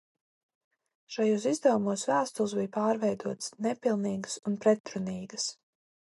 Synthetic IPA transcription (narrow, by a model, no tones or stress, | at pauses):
ʃajuːs̬izd̪ɛvumuɔsvæːst̪ulˠsbijpaːɾvɛjd̪uɔt̪snɛpilˠniːɡsunpɾɛt̪ɾuniːɡəs